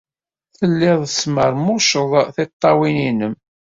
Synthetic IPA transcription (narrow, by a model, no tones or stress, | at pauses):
θəlːɪðˤəsməɾˤmʊʃəðˤθit̪ˤːɑwininəm